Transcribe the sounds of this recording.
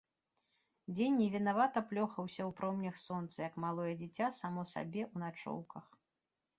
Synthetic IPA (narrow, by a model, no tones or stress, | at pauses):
d͡zʲenʲːɛvʲinavat̪ɐplʲɔxɐwsʲɐwpɾɔmnʲɐxsɔnt̪sɐjɐkmalˠɔjɛd͡zʲit͡sʲasamɔsa̰bʲɛʔunat͡ʂɔ̰wkɐx